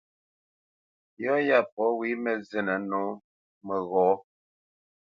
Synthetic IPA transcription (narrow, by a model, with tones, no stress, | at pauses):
jɔ˦ja˦˨p̚ɔ˨˦wi˦mə˨zɛ˨nə˨˦no˨˦ | mə˨ɣɔː˨˦